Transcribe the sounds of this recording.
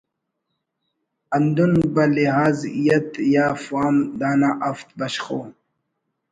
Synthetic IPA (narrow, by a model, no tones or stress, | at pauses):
ɐnd̪unbɐliɦaːzijɐt̪jaːfaːmd̪aːnaʔɐft̪bɐɕxoː